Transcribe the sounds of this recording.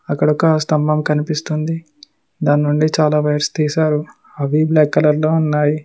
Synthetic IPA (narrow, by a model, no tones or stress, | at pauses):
ɐkːɐɽɔkːɐst̪ɐmbɐmkɐnipist̪und̪i | d̪aːnːuɳɖit͡ʃaːlaːʋɐjɾst̪iːsaːɾu | ɐʋiblaːkːɐlɐlːoːunːaːji